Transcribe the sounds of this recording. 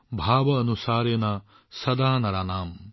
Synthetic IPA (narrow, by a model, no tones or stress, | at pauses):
bʱaːʋɐːnusaːɾjenɐ | sɐd̪aːnɐɾɐnaːm